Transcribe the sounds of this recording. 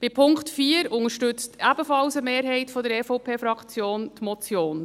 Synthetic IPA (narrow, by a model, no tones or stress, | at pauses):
b̥ɪpʰʊŋktfiːəɾʊŋəɾʃtʏt͡stʰæbəfɑlsəmeːɾɦɛɪtfɔdəɾɛfoʊpʰeːfɾɑkʰt͡sjoːntmɔt͡sjoːn